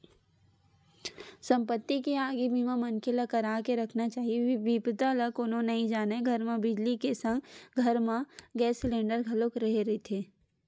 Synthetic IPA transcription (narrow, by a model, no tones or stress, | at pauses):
sɐ̃mpət̪ːikeaːɡibʱimãmɐ̃nkɪlakɐɾaːkeɾɐkʰnat͡ʃaːɦieʋipd̪aləkoːnõnɐɦĩd͡ʒaːneɡʱɐɾmãbɪd͡ʒlikesə̃ŋɡɡʱɐɾmãɡɛːsːlẽːɳɖəɾɡʱɐlokɾɐɦeɾit̪ʰeː